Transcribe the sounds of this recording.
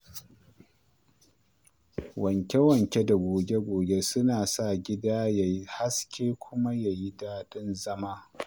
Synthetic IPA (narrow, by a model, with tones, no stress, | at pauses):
wɐ˨ŋkʲe˦wɐ˨ŋkʲe˦da˨ɡʷoː˨be˦ɡʷoː˨be˦sʊ˦naː˨sa˦˨ɡʲɪ˦daː˦ja˨ji˦ha˦skʲʰeː˦kʷʰʊ˦ma˦ja˨ji˦daː˦ɗɪ˦nzɐ˦maː˦